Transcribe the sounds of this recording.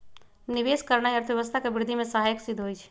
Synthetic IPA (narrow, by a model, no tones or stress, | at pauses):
niʋeːskəɾnaiəɾt̪ʰʋjeʋəst̪ʰakebɪɾɪd̪ʱːimẽsəɦajəksɪd̪ʱɦoit͡ʃʰ